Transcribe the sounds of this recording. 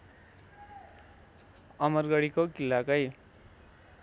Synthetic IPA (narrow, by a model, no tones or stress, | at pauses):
ʌmʌrɡʌɽikokilːakʌj